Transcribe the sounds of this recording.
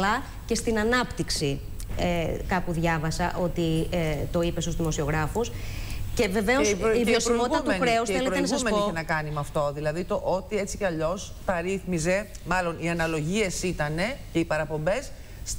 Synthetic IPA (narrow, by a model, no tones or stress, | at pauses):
ɐ | ce̞st̪inɐnɐpt̪iksi | ekɐpuðʝɐvɐsɐʔo̞t̪it̪o̞ipe̞sozðimo̞sio̞ɣɾɐfus | ce̞ve̞ve̞osivio̞simot̪ɐt̪nxɾe̞usθeleɾoenɐsɐusmenioenɐkɐnimɐft̪o̞ðilɐðit̪o̞ʔot̪ie̞t͡si̥ceɐʎo̞s | t̪ɐɾiθmize̞ | mɐlo̞niɐnɐlo̞ʝie̞sit̪ɐne̞ce̞ipɐɾɐpo̞mbe̞sː